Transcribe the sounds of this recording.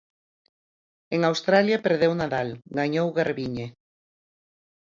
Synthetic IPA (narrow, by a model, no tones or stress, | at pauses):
eŋawst̪ɾaljapeɾðewnaðalɡaɲowɣaɾβiɲe